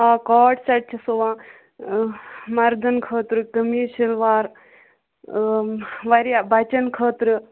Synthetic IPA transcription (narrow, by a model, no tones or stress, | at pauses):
akɔːʈsɐʈ̚t͡ʃʰɐsoʋãː | mɐɾd̪ɐnkʰəːt̪ɾɨkɐmiʃɐlʋaːɾ | ʋɐɾjabʱɐt͡ʃɐnkʰəːt̪ɾɨ